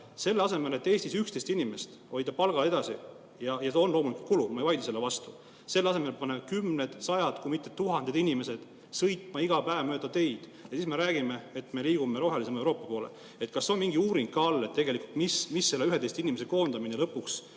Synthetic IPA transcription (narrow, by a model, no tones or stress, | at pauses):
se̞lːeɑse̞me̞let̪ːˑe̞ːst̪isykst̪est̪inime̞st̪ | o̞jd̪ɑpɑlɡ̥ɑle̞d̪̥ɑsi | jɑjɑseo̞nlo̞ːmuliku̥lt̪kulumɑejvɑjd̪iselːevɑst̪u̥ | se̞lːɑse̞me̞lpɑnekymned̪̥sɑjɑd̪kujmit̪ːˑet̪ːuɦɑnd̥̪ed̪inime̞se̞d̪̥ | sɤjt̪ˑmɑiɡ̥ɑpæevmøːd̪̥ɑt̪e̞jd̪̥jɑsiːsme̞ɾæːɡ̥ime̞et̪me̞liːɡume̞ɾo̞ɦelise̞mɑewɾo̞ːpːˑɑpo̞ːlḛ | et̪kɑsːeo̞nmiŋɡiuːɾiŋɡ̥kɑɑlːet̪ːe̞ɡe̞likːˑult̪mismisːe̞lːeyhed̪e̞jst̪inimes̬e̞ko̞ːnd̪̥ɑmine̞lɤpːˑuks